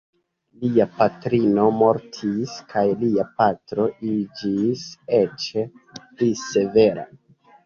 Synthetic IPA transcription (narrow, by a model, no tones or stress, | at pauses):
liapatɾino̞mo̞ɾtʰiskʰajliapatɾo̞ʔid͡ʒiset͡ʃ | plise̞ve̞ɾa̰